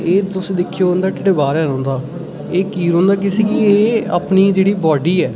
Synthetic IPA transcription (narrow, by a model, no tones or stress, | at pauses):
eːt̪ʊsd̪ɪkʰːjoːnd̪aːʈɪʈeːbaːɾɛːɾɔ̃ːnd̪aː | eːkiːɾɦõːnd̪aːk̬ɪseːkieːa̰ːpniːd͡ʒeːɽiːbɔːɖiːɛː